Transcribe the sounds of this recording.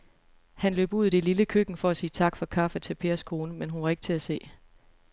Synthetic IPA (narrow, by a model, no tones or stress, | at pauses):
hænlø̰ːb̥uð̞̰̥ˠeliləkʰøɡ̥n̩fɒ̽æsiːt͡sʰɑ̈ɡ̥fɒ̽kʰɑ̈fæt͡sʰe̝lpʰe̝ːɐskʰo̝ːnəmenɦunʋɑ̈e̝ɡ̥̚t͡sʰe̝æse̝̰ː